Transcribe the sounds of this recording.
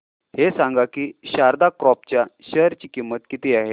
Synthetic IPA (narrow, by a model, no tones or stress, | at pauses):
hesãŋɡakiːɕaɾd̪akɾɔp̚t͡ɕjaɕəɦɾt͡ɕiːkimːət̪kit̪iːaɦe